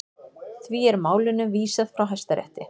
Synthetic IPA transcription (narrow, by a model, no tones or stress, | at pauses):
θviɛɾmaːwlɪnːʏmviːsað̥fɾawɦajst̪aɾɛ̰ht̪ɪ